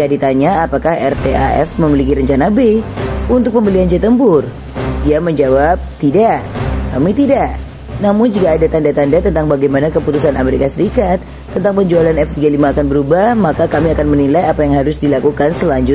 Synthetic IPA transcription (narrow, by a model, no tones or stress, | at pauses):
adit̪aɲaːpakahɛrt̪ea̰ʔɛ̰fməmilikiɾəɲt͡ʃanabeunt̪ʊk̚pəmbəliand͡ʒɛt̪əmbʊr | diaməɲd͡ʒawap̚t̪idaʔkamit̪idaʔ | namʊnd͡ʒukaːdat̪andat̪andat̪ənt̪aŋbaɡajmanakəput̪usana̰meɾikasəɾikat̪ːənt̪aŋpəɲd͡ʒualanɛft̪iɡalimaːkanbəɾubahmakakamiakanmənilajapajaŋɦaɾʊsdilakukansəlaɲd͡ʒʊt̪̚